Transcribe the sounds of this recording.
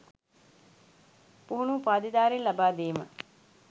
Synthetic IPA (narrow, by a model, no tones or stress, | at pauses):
puɦunuːpaːd̪id̪aːɾinlɐbaːd̪eːmə̰